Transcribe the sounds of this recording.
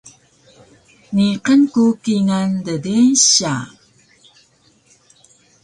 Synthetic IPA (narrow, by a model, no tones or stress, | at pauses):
niqənkukiŋandədenɕa̰